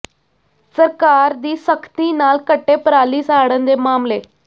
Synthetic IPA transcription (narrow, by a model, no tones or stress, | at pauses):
səɾkaɾd̪iːsəkʰt̪iːnaːlkəʈːepɾaliːsaɽənd̪emaːmle